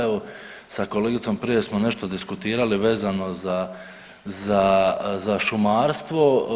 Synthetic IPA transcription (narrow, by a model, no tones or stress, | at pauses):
eʋo | sako̞leːɡit̪so̞mpɾije̞smo̞ne̞ʃt̪od̪iskut̪iːɾaliʋe̞ːzano̞za | zazaʃumaːɾst̪ʋo̞